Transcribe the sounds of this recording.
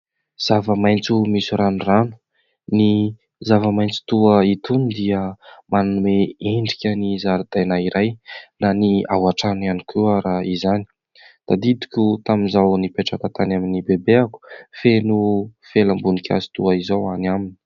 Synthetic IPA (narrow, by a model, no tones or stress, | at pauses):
z̥avəmajnt͡sumisuɾanuranu̥ | ni | zavəmajnt͡si̥t̪uəit̪unid̪iəmananumeeɳɖ͡ʐikʲənizaɾud̪̥ajnaiɾajnania̰waʈ͡ʂananikʰuaɾaizani̥ | d̪̥ad̪id̪i̥kʲut̪aminzawnipeʈ͡ʂakat̪anaminibebeaku̥fenufelambunikʲʰa̰zi̥t̪uaizowanamini̥i